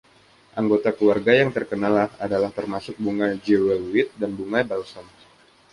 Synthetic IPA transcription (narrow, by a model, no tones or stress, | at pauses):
ʔaŋɡot̪akluwarɡajaŋt̪ərkənalahadalaht̪ərmasʊk̚buŋad͡ʒewɛluwɪt̪̚danbuŋajbalsɔn